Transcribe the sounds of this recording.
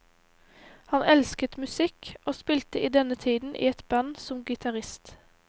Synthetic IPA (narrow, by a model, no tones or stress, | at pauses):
hɑnʔɛlskət̪mʉsɪkʔoːspiːlt̪əʔiːd̪ɛnət̪ʰiːd̪n̩ʔḭːɛt̪bɑnsʊmɡɪt̪ʰɑʁɪst̪